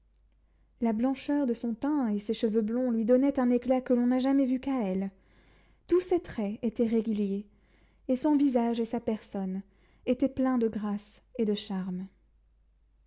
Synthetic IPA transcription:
lablɑ̃ʃœʁd̪əsɔ̃t̪ɛ̃eseʃəvøblɔ̃lɥid̪ɔnɛt̪ɛ̃neklakəlɔ̃naʒamɛvykaɛl | t̪uset̪χɛet̪ɛʁeɡʲylje | esɔ̃vizaʒesapɛʁsɔn | et̪ɛplɛ̃d̪əɡʁas | ed̪əʃaʁm

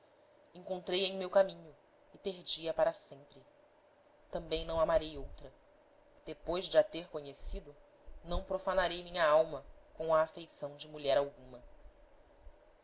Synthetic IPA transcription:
ẽŋkõnt̪ɾejẽj̃mewkamĩɲʊ | ɪpeɦd͡ʒiɐpaɾɐsẽmpɾɪ | t̪ɐ̃mbẽj̃nɐ̃w̃amaɾejowt̪ɾɐ | d̪̥epojzd͡ʒɪat̪eɾkoɲesid̪ʊ | nɐ̃w̃pɾofanaɾejmĩɲɐawmɐkõw̃ɐːfejsɐ̃w̃d͡ʒɪmuʎɛɾawɡũmɐ

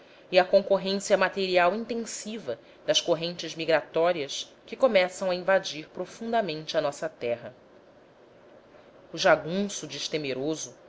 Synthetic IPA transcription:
ɪɐkõŋkoɦẽsiɐmat̪eɾiawĩnt̪ẽsivɐ | d̪ɐskoɦẽnt͡ʃɪzmiɡɾat̪ɔɾiɐs | kɪkomɛsɐ̃w̃ɐĩvad͡ʒiɾpɾofũnd̪ɐmẽnt͡ʃɪɐnɔsɐt̪ɛɦɐ | uʒaɡũsud͡ʒɪʃt̪emeɾozʊ

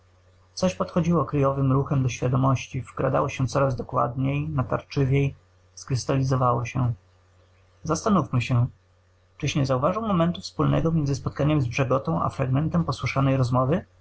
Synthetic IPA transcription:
t̪sɔɕpɔt̪xɔd͡ʑiwɔkɾɘjɔvɘmɾuxɛmd̪ɔɕfʲjad̪ɔmɔɕt͡ɕivɡɾa̰d̪a̰wɔɕɛt̪sɔɾazd̪ɔkwa̰d̪ɲejnat̪a̰ɾt͡ʂɘvʲjej | skɾɘst̪alʲizɔvawɔɕɛ | zast̪anufmɘɕɛ | t͡ʂɘɕɲɛzauvaʐɨwmɔmɛnt̪ufspulnɛ̰ɡɔmʲjɛnzɘspɔt̪̚kaɲɛmzbʐɛɡɔt̪ɔ̃w̃a̰fɾaɡmɛnt̪ɛmpɔswɘʂanɛjɾɔzmɔvɘ

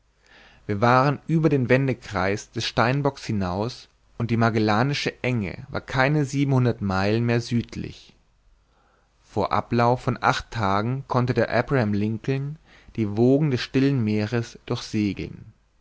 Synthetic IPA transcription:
viːɐvaːʁənʔyːbɐdeːnvɛndəkʁ̥aɪsd̥ɛsʃtaɪnbɔkshɪnaʊs | ʔʊnt̚d̥iːmaɡelaːnɪʃəʔɛŋə̰va̰ːɐkʰaɪnəziːbm̩hʊndɐtmaɪlənmeːɐzyːtʰlɪ̰ç | foːɐʔa̰plaʊfːɔnʔa̰χtʰːaːɡŋ̩kʰɔntədeːɐʔɛbʁahɛmlɪŋkl̩n | d̥iːvoːɡŋ̩dɛsʃtɪlənmeːʁəsd̥ʊɐçz̥eːɡl̩̰n

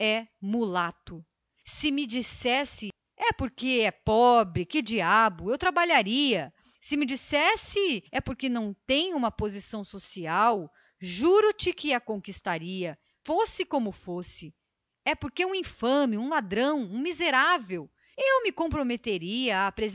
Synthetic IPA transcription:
ɛmulat̪ʊ | sɪmɪd͡ʒisɛsɪ | ɛpoɾkeɛpɔbɾɪkɪd͡ʒiabʊewt̪ɾabaʎaɾiɐ | sɪmɪd͡ʒisɛsɪɛpoɾkenɐ̃w̃t̪ẽj̃ũmɐpozisɐ̃w̃sosiaw | ʒuɾʊt͡ʃɪkɪɐkõkist̪aɾiɐ | fosɪkõmʊfosɪ | ɛpoɾkeũĩfɐ̃mɪũlad̪ɾɐ̃w̃ũmizeɾavew | ewmɪkõpɾomet̪eɾiɐapɾez

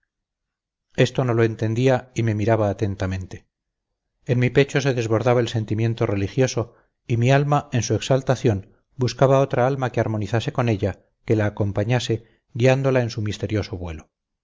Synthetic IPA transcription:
e̞st̪o̞no̞loe̞nt̪e̞nd̪iaime̞miɾaβaːt̪e̞nt̪amẽ̞nt̪e | enmipe̞t͡ʃo̞se̞ðe̞zβo̞ɾðaβaelse̞nt̪imjẽ̞nt̪o̞re̞lixjo̞so̞ | imialmae̞nsue̞ksalt̪aθjo̞n | buskaβao̞t̪ɾaalmakeaɾmo̞niθase̞ko̞ne̞ʎa | ke̞laːko̞mpaɲase̞ | ɣiand̪o̞lae̞nsumist̪e̞ɾjo̞so̞βwe̞lo̞

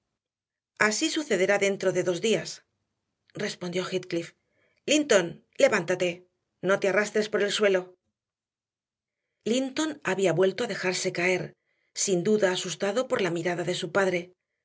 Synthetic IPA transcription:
asisuθe̞ðe̞ɾaðe̞nt̪ɾo̞ðe̞ðo̞zðias | re̞spo̞nd̪jo̞xit̪klif | lint̪o̞n | le̞βant̪at̪e̞ | no̞t̪earast̪ɾe̞spo̞ɾe̞lswe̞lo̞ | lint̪o̞naβiaβwe̞lt̪o̞aðe̞xaɾse̞kae̞ɾ | sind̪uðaːsust̪aðo̞po̞ɾlamiɾaðaðe̞supaðɾe̞

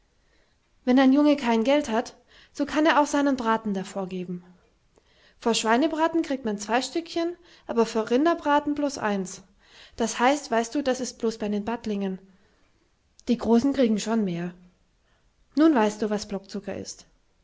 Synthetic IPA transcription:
vɛnaɪnjʊŋəkʰaɪnɡɛlthat | z̥oːkʰaneːɐaʊxz̥aɪnənbʁaːtn̩dafoːɐɡeːbm̩ | foːɐʃv̥aɪnəbʁaːtn̩kʁ̥iːk̚tmant͡sv̥aɪʃtʏkçən | ʔaːbɐfyːɐʁɪndɐbʁaːtn̩bloːsʔa̰ɪns | d̥ashaɪstv̥aɪst̚d̥uːdasɪst̚b̥loːsb̥aɪdeːnbatlɪŋən | d̥iːɡʁoːsn̩kʁ̥iːɡŋ̩ʃoːnmeːɐ | nuːnvaɪst̚d̥uːvasb̥lɔk̚t͡sʊkɐ̰ʔɪ̰st

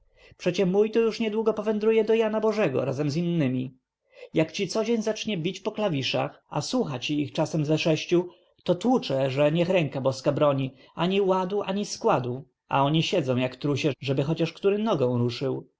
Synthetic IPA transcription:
pʂɛt͡ɕɛmujt̪ujuʂɲɛd̪wuɡɔpɔvɛnd̪ɾujɛd̪ɔjanabɔʐɛɡɔ̰ɾazɛmzinːɘmʲi | jakt͡ɕit̪sɔd͡ʑeɲzat͡ʂɲɛbʲit͡ɕpɔklavʲiʂa̰xa̰swuxat͡ɕiixt͡ʂasɛmzɛʂɛɕt͡ɕu | t̪ɔt̪wut͡ʂɛʐɛɲɛxɾɛŋkabɔskabɾɔɲi | aɲiwad̪uʔaɲiskwad̪u | ʔa̰ɔɲiɕɛd̪zɔ̃w̃jakt̪ɾuɕɛʐɛbɘxɔt͡ɕaʂkt̪uɾɘnɔɡɔ̃w̃ɾuʂɘw

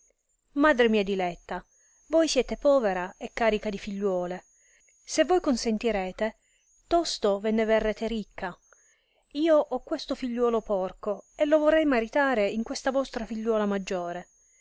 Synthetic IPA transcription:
maːd̪ɾemiːad̪ilɛt̪ːa | vojsjɛːt̪epɔːveɾaekːaːɾikad̪ifiʎːwɔːle | sevːojkonsent̪iɾɛːt̪e | t̪ɔst̪ovɛnːeverːɛːt̪eɾikʰːa | iːoʔɔkːwest̪ofiʎːwɔːlopɔrkoelːovorːɛjmaɾit̪aːɾeiŋkwest̪avɔst̪ɾafiʎːwɔːlamad͡ʒːoːɾe

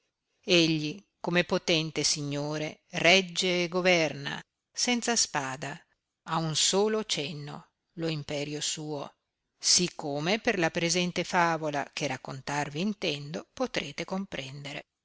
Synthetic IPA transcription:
eʎːikomepot̪ɛnt̪esiɲːoːɾerɛd͡ʒːeːɡovɛrna̰ | sɛnt̪saspaːd̪a | aunsoːlot͡ʃɛnːo̰ | loimpɛːɾjosuːo | sikːoːmeperlapɾezɛnt̪efaːvola̰k̟erakːont̪arviːnt̪ɛnd̪opot̪ɾeːt̪ekompɾɛnd̪eɾḛ

